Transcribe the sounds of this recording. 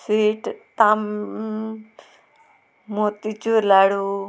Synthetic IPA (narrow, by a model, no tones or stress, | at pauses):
siːʈt̪aːm | moːt̪it͡ʃuɾlaːɽoː